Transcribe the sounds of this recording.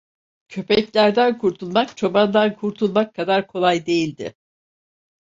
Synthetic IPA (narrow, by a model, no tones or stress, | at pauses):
cʰø̞pʰɛclʲæɾd̪ænkʰuɾt̪ʰulˠmakt͡ʃʰo̞band̪ankʰuɾt̪ʰulˠmakʰːad̪aɾkʰo̞lˠajd̪e̞jilʲd̪ɪ̰